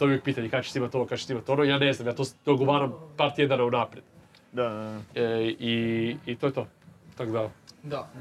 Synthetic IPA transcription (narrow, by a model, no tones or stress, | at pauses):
t̪obiʋjek̚piːt̪aɲekat͡ɕe̥simat̪ʲonokat͡ɕesiimat̪ʲo̞noijaːne̞znamjaːt̪osd̪oɡoʋaːɾampaɾt̪jed̪anaunapɾed̪ | d̪a | iit̪o̞jet̪o̞t̪akod̪ad̪a